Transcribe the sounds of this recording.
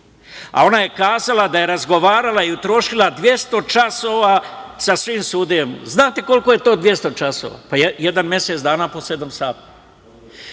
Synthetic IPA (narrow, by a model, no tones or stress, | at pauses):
a̰o̞naje̞kaːzalad̪aje̞ɾazɡo̞ʋaːɾalaiut̪ɾo̞ːʃilad̪ʋje̞st̪o̞t͡ʃasoːʋaːsasʋiːmsuːd̪ijemznaːt̪e̞ko̞lko̞je̞t̪o̞ːd̪ʋje̞st̪o̞t͡ʃaso̰ʋa̰ːpajeje̞d̪anmje̞set̪d̪aːnaːpo̞se̞d̪amsaːt̪ḁ